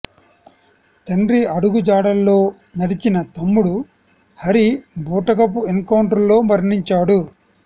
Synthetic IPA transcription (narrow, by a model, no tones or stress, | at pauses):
t̪ɐnɾiɐɽuɡud͡ʒaːɽɐlːo̞ː | nɐɽit͡ʃinɐt̪ɐmːuɽu | hɐɾibuːʈɐkɐp̬uenkɐwɳʈɐɾlo̞ːmɐɾɳiɲt͡ʃaːɽu